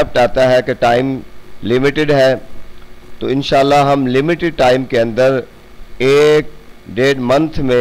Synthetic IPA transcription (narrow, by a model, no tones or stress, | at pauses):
əp̚ʈaːt̪aɦɛkeʈaːɪmlɪmɪʈɪɖɦɛː | t̪o̰ːɪnʃaːlːaɦɐmlɪmɪʈɪɖ̚ʈaːɪmkeɐ̃nd̪əɾ | eːk̚ɖeːɖmɐ̃nt̪ʰmẽ